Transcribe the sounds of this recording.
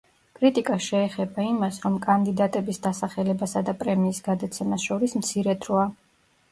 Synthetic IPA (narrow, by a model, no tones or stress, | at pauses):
kʼɾit̪ʼikʼaʃɛːχɛbaimasɾɔmkʼand̪id̪at̪ʼɛbisd̪asaχɛlɛbasad̪apʼɾɛmiːsɡad̪at̪sʰɛmasʃɔɾismt̪sʰiɾɛd̪ʰɾɔa